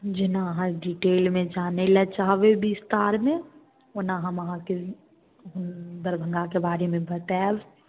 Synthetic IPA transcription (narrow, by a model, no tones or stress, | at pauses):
d͡ʒɪnãɦãɖiʈeːlmẽd͡ʒaːnelɛt͡ʃaːɦʋebist̪aːɾmẽ | ʊnaɦãmɐɦãke | ʊnd̪əɾbʱə̃ŋɡakebaːɾemẽbɐt̪ɛːʋ